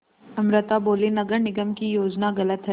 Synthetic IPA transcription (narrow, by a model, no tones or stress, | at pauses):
ɐmɾət̪aboːlenɐɡəɾnɪɡəmkijoːd͡ʒnaɣɐlət̪ɦɛ